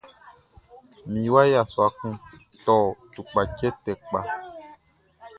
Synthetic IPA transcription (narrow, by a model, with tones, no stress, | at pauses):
mĩ˨˦wa˦ja˨swa˨kũ˦ | tɔ˨tu˨k͡pa˨kɛ˦tɛ˨k͡pa˨